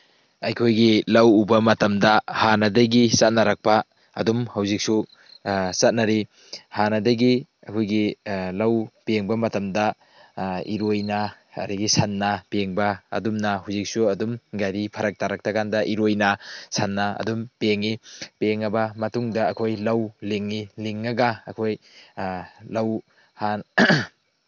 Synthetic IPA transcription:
ɐjkʰojɡilɐwubɐmɐtɐmdɐhanɐdɐjɡisat̚nɐɾɐk̚pɐ | ɐdumhɐwzik̚su | sat̚nɐɾi | hanɐdɐjɡi | ɐkʰojɡilɐwpeŋbɐmɐtɐmdɐ | ḭɾojna | ɐ̰ɾiɡisɐnːɐpeŋbɐ̰ːdumnaɦawzik̚suɐdumɡajɾipʰɐɾɐk̚taɾɐk̚tɐkandɐʔiɾojnɐsanːaɐ̰dumpeŋipeŋːɐbɐmɐtuŋdɐːkʰojlɐwliŋːiliŋːɐɡɐɐ̰kʰoj | lɐw | han

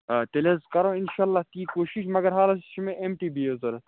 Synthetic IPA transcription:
t̪elezkɐɾõːɪnʃaːɐlːaːht̪iːkoːʃiʃmɐɡɐɾɦaːlɐsʃʰimẽʔemʈibʱiezɐɾɐ

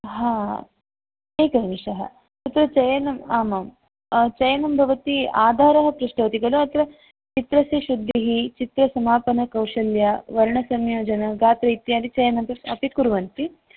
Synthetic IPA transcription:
ɦaː | neːkɐnmiʃɐɦɐ̰ | sɐt̪ɾɐt͡ʃɐjɐnɐmaːmɐm | t͡ʃɐjɐnɐmbʱɐʋɐt̪iaːd̪ʱaːɾɐɦɐpɾuʂʈɐɐt̪iɡɐluɐt̪ɾɐ | t͡ʃit̪ɾɐsiʃud̪ʱːiɦit͡ʃit̪ɾɐsɐmaːpɐnɐkɐwʂɐljɐʋɐɾɳɐsɐmjoːd͡ʒɐnɐɡaːt̪ɾɐit̪jaːd̪it͡ʃɐjɐnɐmbɐɐpikuɾʋɐnt̪i

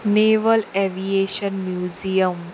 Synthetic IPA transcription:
neʋəleʋieɕənmjuzijəm

